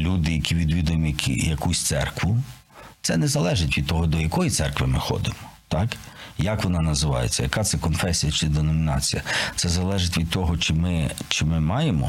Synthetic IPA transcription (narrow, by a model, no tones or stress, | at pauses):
lʲud̪ɪjɐkʲiʋʲid̪ʋʲid̪ʊjʊmjkʲḭjɐkusʲt̪sɛ̰rkʋʊ | t̪sɛnɛzɐlˠɛʒɪtʲʋʲid̪̚t̪ɔɦɔd̪ɔjɐkɔjit̪sɛrkʋɪmɪxɔ̰d̪ɪmɔ̥t̪ɑkjɐkʋɔnɑnɐzɪʋɑ̰jḛt͡sʲːɐ̰jɐkɑt̪sɛkɔnfɛsʲijɐt͡ʃɪd̪enɔmʲinɑ̰t͡sʲijɐt̪sɛzɐlˠɛʒɪtʲʋʲid̪̚t̪ɔɦɔt͡ʃɪmɪt͡ʃɪmɪmɑjemɔ̰